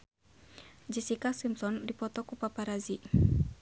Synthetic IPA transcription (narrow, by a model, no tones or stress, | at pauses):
d͡ʒisikasimsɔndipɔt̪ɔkupapaɾazi